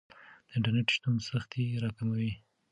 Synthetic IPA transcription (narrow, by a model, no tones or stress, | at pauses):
d̪̥əɪɳʈaɾneʈʃt̪umsaxt̪eɾɑkamawi